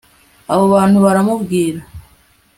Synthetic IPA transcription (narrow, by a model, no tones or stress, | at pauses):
aβoβaːnhuβaɾamuvɡiːɾa